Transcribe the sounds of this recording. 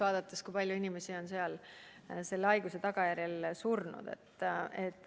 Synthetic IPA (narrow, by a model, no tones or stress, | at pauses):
vɑːd̪̥ɑt̪ːˑeskujpɑlʲjuinime̞sio̞nseɑl | se̞lːɑjɡ̥use̞t̪ɑɡ̥ɑjæɾjelsurnṵd̪̥e̞̰t̪ːet̪ːˑ